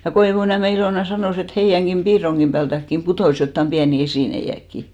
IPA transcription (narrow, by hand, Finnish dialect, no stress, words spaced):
jɑ koiʋuniæme iloˑnɑ sɑnoˑs et heijæŋɡ̊im b̥iːroŋɡ̊im b̥æːltækːim putoˑs jotːɑm b̥iæni esiˑneij̆ækːi